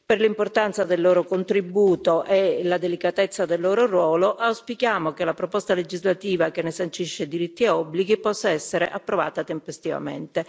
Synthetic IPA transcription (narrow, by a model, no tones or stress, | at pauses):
perlimport̪ant̪sad̪elːoːɾokont̪ɾibuːt̪oʔelad̪elikat̪et̪sːad̪elːoːɾoɾwɔːloʔawspikjaːmokelapɾopɔst̪aled͡ʒizlat̪iːvakenːesant͡ʃiʃːed̪iɾit̪ːiɔbːliɡipɔsːaɛsːeɾeʔapːɾova̰ːt̪at̪empest̪iva̰mḛnt̪e